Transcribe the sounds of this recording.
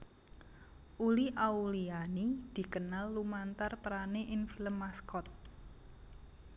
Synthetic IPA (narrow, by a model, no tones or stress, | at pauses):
ʔuliʔaulianid̪̥i̤kənalːumant̪arpəɾaneʔɪnfiləmːaskɔt̪̚